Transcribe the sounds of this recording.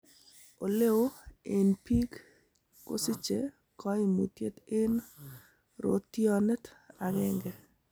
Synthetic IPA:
o˨le˦wo˦e˨npi˦kː | o̰˦si˦t͡ʃe˨ | kɔ˦ɪ˦mu˨tje˦t̪ɪ˦n | ɾo̰˦t̪ːjɔ˦n˦ta˨ŋɛ˦ŋɡɛ˨

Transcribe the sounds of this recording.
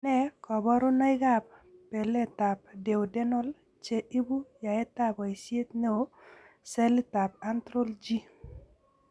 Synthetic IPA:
nɛ˦kɔ˨bɔ˦ɾo˦na˦ɪ˦ɡa˦˨p̚pːe˨le˦ta˨p̚de˨o˨de˦nɔ˦l | t͡ʃe˦ʔi˦bu˦ja˨ɛ˦t̪a˦bɔ˨i˨sje˦t̪ne˦o˨ | sɛ˦li˦ta˨p̚a˦nt̪ɾo˦ld͡ʒi˦

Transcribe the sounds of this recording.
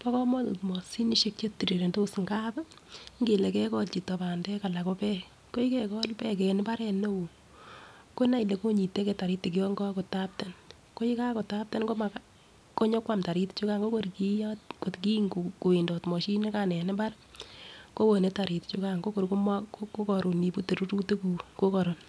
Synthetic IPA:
pɔ˦kɔ˦mɔ˦tṵ˨tmɔ˨si˦ni˦ʃe˦k̚t͡ʃe˦ti˨ɾi˨ɾe˨nto˦sŋɡa˦pŋɡe˨le˨kɛ˦kɔ˦lt͡ʃi˨tːɔ˨ba˨ndɛ˦ka˨la˨ko˦pɛ˦ | ko˦i˦kɛ˦kɔ˦lpɛ˦kɛ˨nɪ˦ba˦ɾɛ˨ne˦o˨ | ko˦na˨˦i˨le˨ko˦ɲi˨te˦kɛ˦ta˨ɾi˦tːi˨ki˦ɔ˦ŋɡɔ˦ko˨ta˦p̚te˨n | ko˦i˦ka˦ko˨ta˦p̚te˦nɡo˦ma˨ka | ko˦ɲɔ˦kwa˦mta˨ɾi˦tt͡ʃu˦ka˦ŋɡo˦ko˦ɾki˦jɔtko˨tki˦ŋkku˨i˨ndɔ˨tmɔ˨ʃi˦ne˦ka˨nɛ˨nɪ˦ba˦ɾ | ko˦wo˨ne˦ta˨ɾi˨tt͡ʃu˦ka˦ŋɡo˦ko˨ɾko˦mko˦kɔ˨ɾu˨ni˨pu˦te˨ɾu˦ɾu˦te˦ku˨ko˦kɔ˨ɾɔ˨n

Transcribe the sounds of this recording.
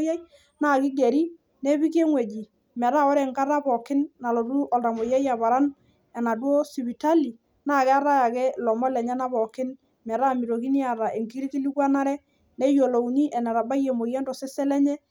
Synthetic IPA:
ja˦i˦ | na˦˨kɪ˦ɡɛ˨ɾi˦ | ne˦βi˦ke˦ŋwɛ˨d͡ʒi˨ | mɛ˨ɾa˦ɔ˦ɾɛ˨ŋka˦ɾa˦bɔ˨kɪ˦nːa˨lo˨du˦ʔɔ˨lta˨mo˨ja˦ja˨βa˨ɾa˦n | ɛ˨na˨dwo˦si˨βi˨ta˦li˨ | na˦˨kɛ˦a˦ɾa˦ja˨kɛ˦lɔ˨mɔ˦lɛ˨ɲɛ˦na˦βɔ˨kɪ˦n | mɛ˨ɾa˦˨mi˨ɾo˨ki˦ni˦a˨ɾa˨ʔe˨ŋki˦ɾi˦ki˦li˦kwa˦na˦ɾɛ˦ | ne˦jo˨lo˨ɲi˦ʔɛ˨na˨ɾa˨ba˦je˨mo˨jɛ˦ndɔ˨sɛ˦sɛ˦lɛ˦ɲɛ˦

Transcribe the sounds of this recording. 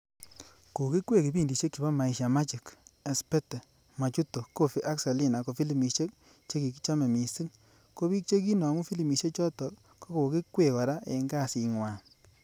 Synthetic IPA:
ko˨ki˦kwe˦˨ki˨bi˦˨ndi˨ʃe˦kːi˨ba˦ma˨i˨ʃja˨ma˦t͡ʃi˨ke˨spe˦tɛ˨ | ma˨t͡ʃu˦to˨ko˦fi˦ʔa˦ksa˨li˦˨na˨ko˨fi˦li˨mi˨ʃe˦k̚ | t͡ʃe˦ki˨ki˦t͡ʃa˦me˨mi˨si˦ŋ | ko˦βi˦k̚t͡ʃe˦k̬i˦nɔ˨ŋu˦fi˦li˨mi˨ʃe˦t͡ʃɔ˦tɔ˨k | ko˦ko˨ki˦kwe˨kɔ˨ɾa˦e˨ŋɡa˦˨si˨ŋwa˨

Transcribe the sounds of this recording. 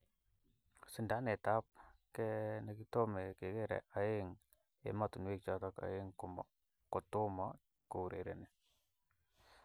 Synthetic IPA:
si˨nda˨˦ne˨ta˦p̚kɛ˦nə˦ki˦to˦me˨ke˨ke˦ɾɛ̰˨ʔa˨je˦ŋ | ḛ˨ma˦tu˨n˦wi˦k̚t͡ʃa˨ta˦ka̰˨jɪ˦ŋku˨m̰˨ | ko˨t̪u˦ma˨˦ | ko˨ɾḛ˨ɾḛ˨ne˨

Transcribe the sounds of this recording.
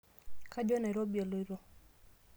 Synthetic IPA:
ka˦d͡ʒɔ˦na˨ɾɔ˦bi˨e˨lo˨i˦ɾo˦

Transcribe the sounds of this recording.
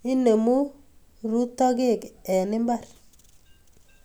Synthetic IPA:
i˦ne˨mu˦ | ɾu˦tɔ˦ɡe˦˨kɛ˨nɪ˦mba˦˨ɾ

